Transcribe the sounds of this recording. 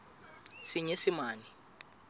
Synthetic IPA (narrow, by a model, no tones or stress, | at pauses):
siɲesimaːni